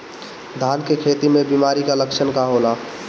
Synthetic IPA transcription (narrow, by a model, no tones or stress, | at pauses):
d̪ʱaːnkekʰeːt̪imẽbimaːɾikaləkʃʰənkaɦoːla